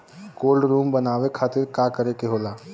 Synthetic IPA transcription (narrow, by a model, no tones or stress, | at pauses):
koːlɖɾuːmbənaːʋekʰaːt̪ɪɾkaːkəɾekeɦoːlaː